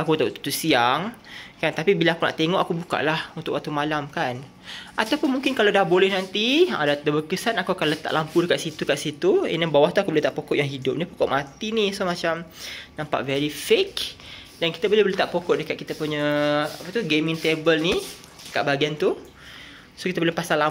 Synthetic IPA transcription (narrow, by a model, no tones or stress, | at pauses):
akut̪at̪usiaŋkant̪apibilaakuna̰ʔt̪eŋɔʔakubuka̰ʔlahunt̪ʊʔwak̚t̪umalamkan | ʔat̪awpʊnmuŋkɪnkalawdahbolɛhnant̪iã̰dat̪əbəkəsanakakanlət̪a̰ʔlampudəkat̪ʔ̪sit̪ukaʔ̪sit̪uɛ̰nabawaht̪uakuboleht̪aʔpokɔʔjaŋɦidʊp̚nipo̥kɔʔmat̪inisomat͡ʃamnampa̰ʔvɛɾifekdanki̥t̪abolɛboleht̪aʔpokɔʔdəkat̪̚kit̪apuɲəapat̪uɡemĩŋt̪ebəlni | dəkaʔ̪̚baɡiant̪u | sokit̪abolɛhpasala